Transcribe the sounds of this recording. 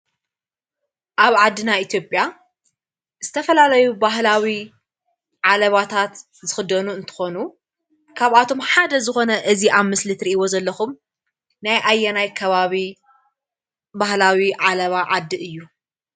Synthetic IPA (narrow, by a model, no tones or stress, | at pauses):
ʔaβʕad̪ːɨnait̪ʰjo̞pʼja | zɨt̪ʰɐfɐlalɐjubaɦlawi | ʕalɐβat̪ʰat̪ | zɨxɨd̪ɐnuɨnt̪ʰɨ̥xo̞nu | kʰaβat̪ʰo̞mħad̪ɐzɨxo̞nɐʔɨziʔaβmːɨslɨt̪ɾiʔiwo̞zɐlːɐxum | najʔajːɐnajkʰɐβaβi | bahlawiʕalɐβaʕad̪ːɨʔɨjːu